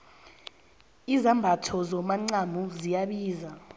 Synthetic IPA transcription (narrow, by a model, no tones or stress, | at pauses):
izambʱatʰɔzɔmaŋ͡ǀamuzijaɓiːza